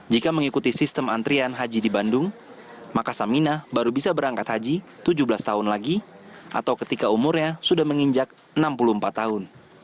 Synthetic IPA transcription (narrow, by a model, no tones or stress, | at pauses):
d͡ʒikaməŋikut̪isist̪əmant̪ɾianɦad͡ʒidibandʊŋ | makasaminabaɾubisabəɾaŋkat̪had͡ʒit̪ud͡ʒubəlast̪aʊnlaɡiʔa̰t̪awkət̪ikaumurɲasudahməŋiɲd͡ʒak̚ | ənampuluəmpat̪ːaɦʊn